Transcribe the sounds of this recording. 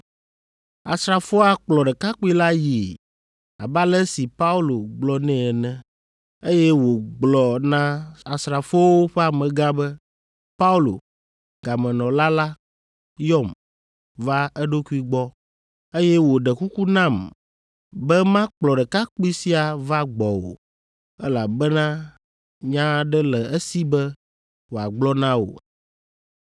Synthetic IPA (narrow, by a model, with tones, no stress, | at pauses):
a̰˨sɾa˨fɔ˦a˨k͡plɔ˨ɖɛ˨ka˦k͡pi˦la˦ji˨ | a̰˨ba˦lɛ˦si˨pa˦u˦lo˨ɡ͡blɔ˨nɛ̃˦ɛ˨nɛ̃˦ | e˦jɛ˦wo˨ɡ͡blɔ˨nã˦a˨sɾa˨fo˦wo˦ɸɛ˦a˨mɛ̃˨ɡa˦bɛ˦ | pa˦u˦lo̰˨ | ɡ̥a˨mɛ̃˨nɔ̃˨la˦la˦ | jɔ˦˨m | va˦ɛ˦ɖo˦ku˦i˦ɡ͡bɔ˦ | e˦jɛ˦wo˨ɖɛ˨ku˦ku˦nã˦˨m | bɛ˦mã˦k͡plɔ˨ɖɛ˨ka˦k͡pi˦si˦a˨va˦ɡ͡bɔ˨wo̰˨ | ɛ˦la˨bɛ˦nã˦ | ɲã˦ɖɛ˦lɛ˨e˦si˦bɛ˦ | wo˨a˨ɡ͡blɔ˦nã˦wo̰˨